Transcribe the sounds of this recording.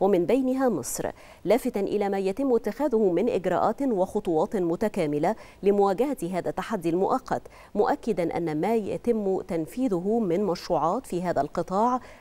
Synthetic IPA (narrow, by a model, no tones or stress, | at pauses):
wamɪnbajnɪɦaːmɨ̰sˤɾ | laːfɪt̪anʔɪ̰læːmæːjat̪ɪmːʊɪt̪ːɪxæːðʊhʊmɪnʔɪ̰ɡɾˤɑ̰ːʔaːt̪wɑxʊt̪ˤuwɑːt̪ˤmʊt̪akaːmɪla | lɪmʊwaːɡahat̪ɦaːðat̪ːaħad̪ːilmʊʔɑqːɑ̰t̪ | mʊʔakːɪd̪anʔa̰nːamaːja̰t̪ɪmːt̪anfiːðʊɦʊmɪnmæʃɾuːʕɑːt̪fiːɦaːðalqɨt̪ˤɑːʕ